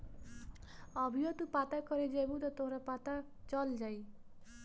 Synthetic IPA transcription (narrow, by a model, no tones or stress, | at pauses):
ʌbʱijot̪upat̪akʌɾed͡zejbut̪ʌt̪oɾapat̪a | t͡sʌld͡zʌj